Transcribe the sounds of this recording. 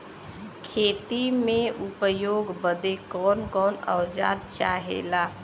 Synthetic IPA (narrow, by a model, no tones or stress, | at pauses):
kʰeːt̪imẽʊpjoːɡbəd̪ekɔːnkɔːnə̰wd͡ʒa̰ːd̪t͡ʃa̰ːɦḛːlaː